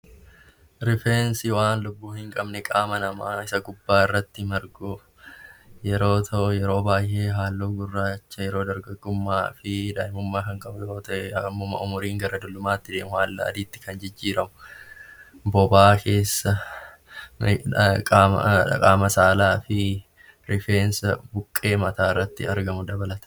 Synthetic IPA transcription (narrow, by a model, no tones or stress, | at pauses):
ɾɪfensɪwaːnlʊbːuːhɪŋkʼɐbnɛkʼaːmɐnɐmaːɪsɐɡʊbːaːɪrːɐt̪ːɪmɐɾɡʊ | jɛɾoːt̪ʰɐʔjɛɾo̞ːbaːjːe̞ːɦaːlːoːɡʊrːaːt͡ʃːɐjɛɾo̞ːd̪ɐɾɡɐɡʊmːaːfɪd̪aːɪmʊmːaːkɐŋkʼɐbʊjoːt̪ɐʔɛmːʊmɐ̰ʔʊmʊɾiːŋɡɐɾɐd̪ʊlːʊmaːt̪ːɪd̪e̞ːmʊhaːlːɐ̰ɐ̰d̪iːt̪ːɪ̥kɐnd͡ʒɪd͡ʒːiːɾɐmʊ | bɔbaːkʰe̞ːsːɐ | kʼa̰kʼaːmɐsaːlaːfɪ | ɾɪfe̞ːnsɐbʊkʼːe̞ːmɐt̪aːɪrːɐt̪ːɪ̰ɐɾɡɐmʊd̪ɐbɐlɐt̪ɐ̥